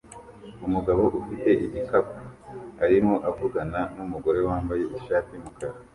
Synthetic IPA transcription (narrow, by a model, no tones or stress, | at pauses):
umuɡaβo̞ʔufite̞ʔiɟikapuaɾimoʔavuɡananumuɡo̞ɾe̞waːmbaje̞iʃaːtimukaɾa